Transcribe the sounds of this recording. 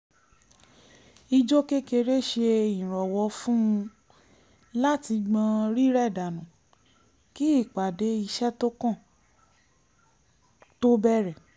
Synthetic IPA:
i˧d͡ʒo˦ke˦ke˧ɾe˦˨ʃe˧ĩ˨ɾ̃ɔ˨wɔ˧˦fũ˦˧ | la˦ti˧ɡ͡bã˧ɾi˦ɾɛ˦˨da˨nũ˨ | ki˦i˦˨k͡pa˨de˨˦i˧ʃɛ˦to˦kã˦˨ | to˦bɛ˦˨ɾɛ˨

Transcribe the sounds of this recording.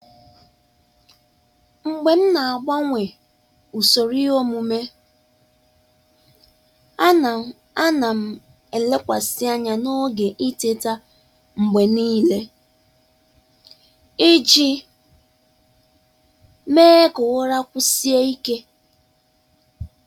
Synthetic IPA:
ŋ͡m̩˨ɡ͡be˨m̩˦na˨a˨ɡ͡ba˦ŋʷe˨ | u˨so˨ɾi˦o˦mu˨me˦ | a˦na˨ | a˦na˨m̩˦˨ | e˨le˦kʷa˨sɪ˦a˦ɲa˨no˦ɡe˨ʔi˦te˦ta˦ | ŋ͡m̩˨ɡ͡be˨niː˦le˦ | i˦d͡ʒi˦ | meː˦kʊ˨wʊ˦ɾa˦kʷʊ˦si˦e˦i˦ke˦

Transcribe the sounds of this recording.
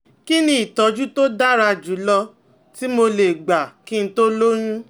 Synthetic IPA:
ki˦nĩ˧˦i˨tɔ˨˧˦d͡ʒu˦to˦da˦ɾa˧d͡ʒu˨˦lɔ˧ | ti˦mo˧le˨ɡ͡ba˨kĩ˦n̩˦to˦lo˦ɾ̃ũ˦

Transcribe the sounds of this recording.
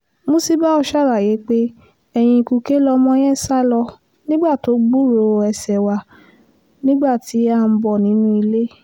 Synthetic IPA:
mõ˦si˦ba˦ɔ˧ʃa˦˨ɾa˨je˨˦k͡pe˦ | ɛ˧j̃ĩ˧ku˧ke˦lɔ˧mɔ̃˦j̃ɛ̃˦sa˦lɔ˧ | nĩ˦ɡ͡ba˦˨to˨˦ɡ͡bu˦˨ɾo˧˨ɛ˧sɛ˨wa˧ | nĩ˦ɡ͡ba˦˨ti˨˦a˦˧˨m̩˧˦bɔ˨nĩ˨˦nũ˦i˧le˦

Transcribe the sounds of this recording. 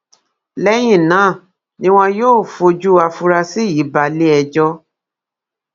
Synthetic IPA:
lɛ˦j̃ĩ˦˨nãː˨˦˨ | nĩ˦w̃ɔ̃˧joː˦˨fo˧d͡ʒu˦a˧fu˧ɾa˧si˦ji˨˦ba˧le˦ɛ˧d͡ʒɔ˧

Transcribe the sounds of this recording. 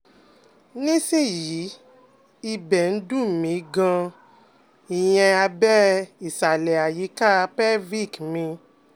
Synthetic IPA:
nĩ˦se˦˨ji˨˦ | i˧bɛ˨n̩˦dũ˦˨mĩ˨˦ɡã˧ | i˨j̃ɛ̃˧a˧bɛ˦i˨sa˨lɛ˨a˨ji˨˦ka˦˧pɛ˦vi˦˨kmĩ˧

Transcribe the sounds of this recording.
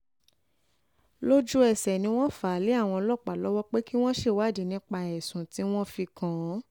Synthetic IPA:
lo˦d͡ʒu˦ɛ˦˨sɛ˨nĩ˧˦w̃ɔ̃˦fa˨˦le˨˦a˦˨w̃ɔ̃˧lɔ˦˨k͡pa˨lɔ˦wɔ˦k͡pe˦ki˦w̃ɔ̃˦ʃe˦˨wa˦˨di˨˦nĩ˦k͡pa˧ɛ˨sũ˨ti˨˦w̃ɔ̃˦fi˧kã˨˦

